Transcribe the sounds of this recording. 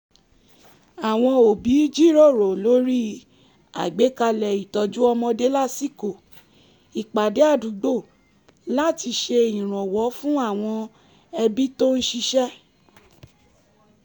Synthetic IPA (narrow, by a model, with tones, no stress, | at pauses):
a˨w̃ɔ̃˧o˨bi˨˦d͡ʒi˦ɾo˦˨ɾo˨lo˨˦ɾi˦ | a̰˨ɡ͡be˨˦ka˧lɛ˨i˨tɔ˧d͡ʒu˦ɔ˧mɔ̃˧de˦la˦˨si˦ko˨ | i˨k͡pa˨de˨˦a˦˨du˨˦ɡ͡bo˦˨ | la˦ti˧ʃe˧ĩ˨ɾ̃ɔ̃˨wɔ˨˦fũ˦a˦˨w̃ɔ̃˧ | ɛ˧bi˦to˦n̩˦ʃi˧ʃɛ˦